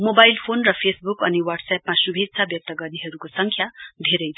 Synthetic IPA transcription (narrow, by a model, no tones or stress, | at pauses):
mobajlpʰonrʌpʰesbukʌniwʌrɖsapmasubʱeksʰabjʌk̚t̪ʌɡʌrniɦʌɾukosʌŋkʰjad̪ʱeɾʌjd̪ʱ